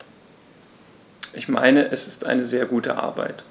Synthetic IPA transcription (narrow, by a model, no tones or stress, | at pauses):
ʔɪçma̰ɪnəʔɛsɪ̥stʔa̰ɪnəzeːɐɡuːtə̰ʔa̰ɐba̰ɪt